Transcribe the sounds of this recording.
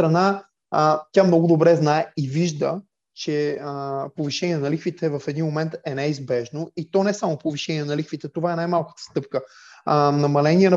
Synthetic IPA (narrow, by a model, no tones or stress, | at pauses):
ɾɐna | t̪ʲjamnɔɡʊd̪obɾɛznaɛiviʒd̪ə̰ | t͡ʃɛ | poviʃɛniɛnɐlixvit̪ɛvɐfɛd̪inmomɛnt̪ɛnɛizbɛʒnoit̪ɔnɛsamopoviʃɛniɛnɐlixkvit̪ɛt̪ovaɛnajmalˠkə̥t̪ə̥st̪ɤp̚kə | nɐmɐlɛniɛnɐ